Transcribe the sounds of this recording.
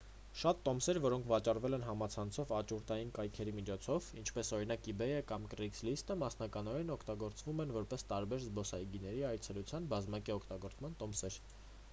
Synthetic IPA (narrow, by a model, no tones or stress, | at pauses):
ʃɑt̪ːɔmsɛɾvɔɾɔŋkʰvɑt͡ʃɑrvɛlɛnɦɑmɑt͡sʰɑnt͡sʰɔvɑt͡ʃuɾt̪ɑjinkɑjkʰɛɾimit͡ʃʰɔt͡sʰɔvint͡ʃʰpɛsɔɾin̪ɑkibɛjəkɑmkɾikslist̪əmɑsnɑkɑnɔɾɛnɔkʰt̪ɑɡɔɾt͡svumɛnvɔɾpɛst̪ɑɾbɛɾzbɔsɑjiɡinɛɾiɑjt͡sʰɛlut͡sʰjɑnbɑzmɑkiɔkʰt̪ɑɡɔɾt͡smɑnt̪ɔmsɛɾ